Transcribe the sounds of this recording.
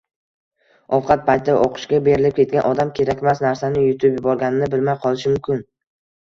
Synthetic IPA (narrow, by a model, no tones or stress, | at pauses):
ɒwqʰɑt̪̚pʰajt̪ʰd̪aʔoqʰɨ̥ʃkʲabe̞ɾɪlɪp̚kʲʰe̞t̪̚ɡʲanʔɒd̪amkʲʰe̞ɾakʲmasnaɾsanɪjʊt̪ʰʊpjʊbɒɾɡʲanɪnɪbɪlmajqʰɒlˠɪʃɪmʊmkʲɪn